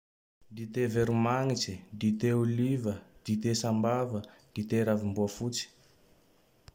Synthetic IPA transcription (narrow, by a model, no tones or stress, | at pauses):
d̪it̪eveɾumaŋit͡sid̪it̪eulivəd̪̥it̪esambavəd̪̥it̪eɾavimbuəfut͡si̥